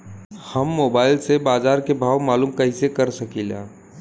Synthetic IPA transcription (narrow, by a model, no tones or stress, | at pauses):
həmːoːbaːɪlsebaːzaːɾkebʱaːwmaːluːmkəɦisekəɾsəkilã̰ː